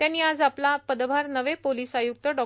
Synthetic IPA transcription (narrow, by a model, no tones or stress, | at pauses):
t̪jãnːiːad͡zaplapəd̪bʱaɾnəʋepoliːsajuk̚t̪əɖɔ